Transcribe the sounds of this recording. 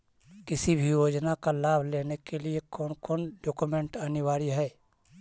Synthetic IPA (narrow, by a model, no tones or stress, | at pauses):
kɪsibʱijoːd͡ʒnakalaːbʱleːnekeliekɔːnkoːnɖoːkumẽɳʈɐnɪwaːɾiɦɛː